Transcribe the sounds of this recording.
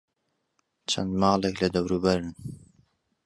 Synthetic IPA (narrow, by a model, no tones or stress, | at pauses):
t͡ʃʰɐ̰nd̪mɑːlˠeklɐd̪ɐwɾubɐɾɨn